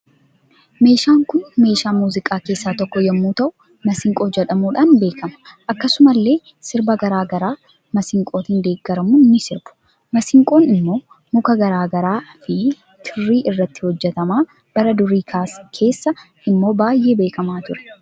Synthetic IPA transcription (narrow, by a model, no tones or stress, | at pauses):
me̞ːʃaːŋkʊnme̞ːʃaːmuːzɪkʼaːke̞ːsːaːt̪ɔkːɔjɐmːuːt̪ɐʔʊ | mɐsɪŋkʼo̞ːd͡ʒɛᶑɐmuːᶑaːnbe̞ːkʰɐmɐ̥ʔɐkːɐsʊmɐlːe̞ː | sɪɾbɐɡɐɾaːɡɐɾaː | mɐsɪŋkʼo̞ːt̪iːnd̪e̞ːɡːɐɾɐmʊnːɪsɪɾb̥ʊ̥ | mɐsɪŋkʼo̞ːnɪmːo̞ː | mʊkɐɡɐɾaːɡɐɾaːfi | t̪ʰɪrːiːʔɪrːɐt̪ːɪ̥hɔd͡ʒːɛt̪ɐmaː | b̥ɐɾɐd̪ʊɾiːkʰaːskʰe̞ːsːɐ | ʔɪmːo̞ːbaːjːe̞ːbe̞ːkɐmaːt̪ʊɾɛ̥